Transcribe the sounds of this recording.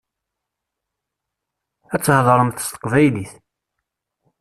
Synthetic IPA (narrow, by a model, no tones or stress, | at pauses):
æt͡sːhðˤɾˤəmθə̥st̪ə̥qvæjliθ